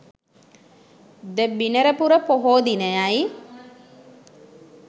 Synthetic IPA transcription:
d̪əbinəɾəpuɾəpoɦoːd̪inəjaj

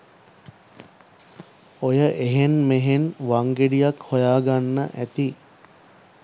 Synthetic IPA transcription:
ojəʔeɦenmeɦenʋaŋɡeɖijakhojaːɡanːə̰ʔæt̪i

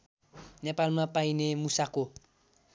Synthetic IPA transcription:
nepalmapainemusako

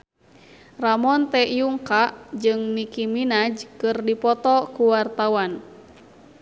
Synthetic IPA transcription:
ramɔnt̪ɛjuŋkaʔd͡ʒɨŋnikiminad͡ʒkɨrdipɔt̪ɔkuwart̪awan

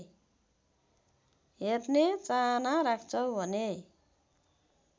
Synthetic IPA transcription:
ɦetnet͡sanaɾakʰt͡sʰʌwbʱʌne

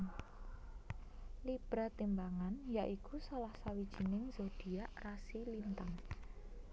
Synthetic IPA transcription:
lib̥ɾa̤t̪imbaŋanjaʔikusalahsawid̥ʒ̥i̤nɪŋz̥od̪̥i̤aʔrasilint̪aŋ

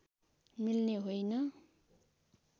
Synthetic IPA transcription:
milneɦojnʌ

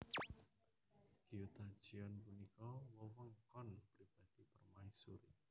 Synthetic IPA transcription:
ɡ̥iut̪ad̥ʒ̥iɔnpunikɔwɔwəŋkɔnpɾib̥ad̥ipərmaisuɾḭ

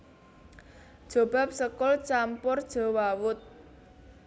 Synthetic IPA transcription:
ʒ̥o̤b̥a̤p̚səkʊlt͡ʃampʊrd̥ʒ̥ɔ̤wawʊt̪̚

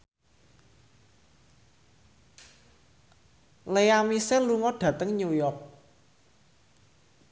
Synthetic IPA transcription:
leamisərluŋɔɖ̥ä̤t̪əŋɲujɔk̚

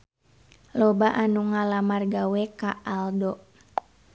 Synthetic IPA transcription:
lɔbaʔanuŋalamarɡawɛkaʔaldɔ

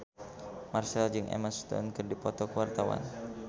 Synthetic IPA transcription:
marsɛld͡ʒɨŋʔɛ̰məst̪ɔ̰nkɨrdipɔt̪ɔkəwart̪awa̰n

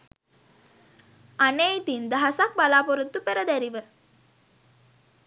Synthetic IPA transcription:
aneit̪ind̪aɦasak̚balaːpoɾut̪ːupeɾəd̪æɾiʋə

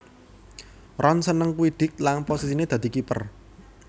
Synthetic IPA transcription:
rɔnsənəŋkuid̪̥ɪ̤k̚lanposisined̪̥ä̤d̪̥i̤kipə̰r

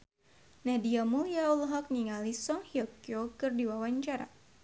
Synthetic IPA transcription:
nahdiamuliaulɦɔk̚niŋalisɔŋhiɔkjokɨrdiwawaɲt͡ʃaɾa̰

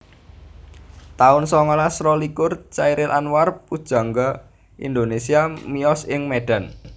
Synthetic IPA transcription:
t̪aʊnsɔŋɔlasɾɔlikʊrt͡ʃaiɾɪlʔanwarpud̥ʒ̥a̤ŋɡa | ʔḭnd̪onesiamiɔsɪŋmeɖ̥a̤n

